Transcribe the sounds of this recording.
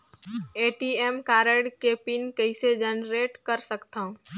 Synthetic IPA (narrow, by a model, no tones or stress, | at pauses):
eʈiemkaːɾəɽkepinkəɪsed͡ʒənɾeʈkəɾsəkt̪aũ